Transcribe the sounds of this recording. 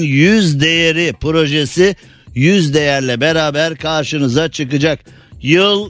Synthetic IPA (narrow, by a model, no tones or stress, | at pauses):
njyzd̪e̞jeɾipɾo̞ʒesi | jyzd̪e̞jæɾlʲɛbeɾaːbæɾkʰaɾʃɯnɯzat͡ʃʰɯkɯd͡ʒak | jɯlˠ